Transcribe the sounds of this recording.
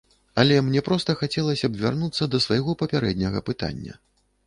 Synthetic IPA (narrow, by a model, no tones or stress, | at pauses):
ɐlʲɛmnʲɛpɾɔst̪ɐxat͡sʲɛlˠɐsʲɐbvʲarnut̪sːɐd̪ɐsvajɣɔpɐpʲaɾɛd̪ʲnʲɐɣɐ̰pɨt̪a̰nʲːɐ̰